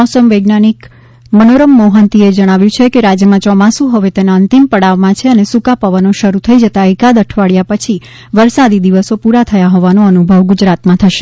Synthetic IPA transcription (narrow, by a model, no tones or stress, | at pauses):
ɔsəmʋəɡnanik | mənoɾəmːoɦənt̪ied͡ʒəɽ̃aʋjũt͡ʃʰekeɾad͡ʒjəmãt͡ʃɔmãsũɦəʋet̪enaənt̪impəɽaʋmãt͡ʃʰeənesukapəʋənoʃəɾut̪ʰəid͡ʒət̪aikad̪əʈʰʋaɭjapət͡ʃʰi | ʋəɾsad̪id̪iʋəsopuɾat̪ʰəjaɦɔʋanoənubʱəʋɡʊd͡ʒɾat̪mãt̪ʰəʃe̥